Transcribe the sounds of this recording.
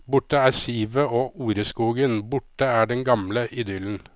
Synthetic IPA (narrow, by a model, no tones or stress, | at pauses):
bʊʈəæːɾsiːʋəoːʔuːɾəskuːɡənbʊʈəæːɖɛnɡɑmləʔɪd̪ʏln̩